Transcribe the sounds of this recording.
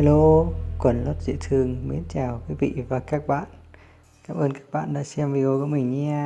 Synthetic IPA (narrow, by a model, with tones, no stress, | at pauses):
lo˧kwə˨˧˩nlo˦˥t̚zḭ˧˨t̪ʰɨ˨˩əŋmi˨˦ənt͡ɕaː˨˩wkwi˨˦vḭ˧˨vaː˨˩kaː˦˥k̚ɓa̰ː˧˨n | kaː˧˩mʔəː˧nkaː˦˥k̚ɓa̰ː˧˨nɗa̰ː˧˥sɛ˧mvi˧ɣo˧ku˧˩˦mï˨˩ŋ̟ɲɛ˧